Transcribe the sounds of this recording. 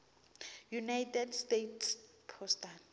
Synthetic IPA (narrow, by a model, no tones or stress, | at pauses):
junajtʰʼɛdstetʰs | pʰɔstan